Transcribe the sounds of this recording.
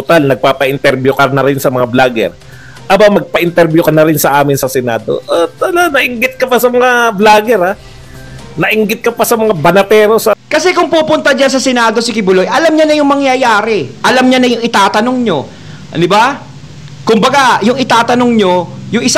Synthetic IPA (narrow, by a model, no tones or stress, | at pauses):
t̪ot̪alnɐɡ̚paːpɐʔɪnt̪ɛɾbjʊkɐɾnɐɾɪnsɐmɐŋablaːɡɛ̰ɾ | ʔɐbamɐɡ̚pɐʔɪnt̪ɛɾbjʊkɐnɐɾɪnsɐʔaːmɪnsɐsɛna̰ːd̪o̞̰ʔat̪ɐlanɐʔɪŋɡɪt̪̚kɐpasɐmɐŋablaːɡɛɾa | nɐʔɪŋɡɪt̪̚kɐpasɐmɐŋabɐnɐt̪ɛːɾo̞sɐkɐsɛkʊŋpupʊnt̪ɐd͡ʒansɐsɛnaːd̪o̞sɪkɪbʊlojʔɐlamɲanɐjʊŋmɐŋjajaːɾɛʔɐlamɲɐnɐjʊŋɪt̪aːt̪ɐno̞ŋɲo̞ | d̪ɪba | kʊmbɐɡajʊŋɪt̪aːt̪ɐnoŋɲo̞jʊŋɪs